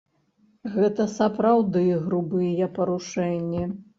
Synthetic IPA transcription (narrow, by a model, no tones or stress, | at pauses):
ɣɛt̪ɐsɐpɾawd̪ɨɣɾubɨjɛpɐɾuʂɛnʲːi